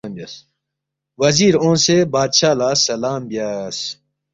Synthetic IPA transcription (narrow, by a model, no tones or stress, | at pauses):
mbjaːs | wɐziːɾõːnsebaːd̪ɕaːlaːsɐlaːmbjaːs